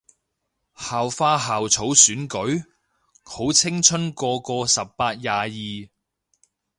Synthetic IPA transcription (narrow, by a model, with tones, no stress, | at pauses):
haː˨wfaː˧ɦaː˨wt͡sʰo˨˥wsyː˨˥nkɵ˨˥ɥ | ho˨˥wt͡sʰɪ˥ŋt͡sʰɵ˥nkɔː˧kɔː˧sɐ˨p̚ːaː˧t̚jaː˨jiː˨